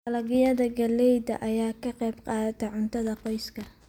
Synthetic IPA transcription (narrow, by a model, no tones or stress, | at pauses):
ɐlɐɣɪjɐðɐɡɐlɛjd̪ɐ̰ʔɐjaːkʰɐqɛjbqɑːt̪ʰɛʕʊnt̪ʰɐðɐqɔjskʰɐ